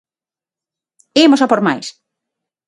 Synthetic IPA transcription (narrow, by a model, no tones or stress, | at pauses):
emosapoɾma̰js